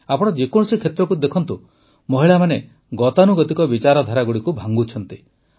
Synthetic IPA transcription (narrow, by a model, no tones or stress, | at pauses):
apɔɽ̃ɔd͡ʒekɔɽ̃ɔsikʰet̪ɾɔkud̪ekʰɔnt̪u | mɔɦiɭamane | ɡɔt̪anuɡɔt̪ikɔbit͡ʃaɾɔd̪ʱaɾaɡuɽikubʱaŋɡut͡ʃʰɔnt̪i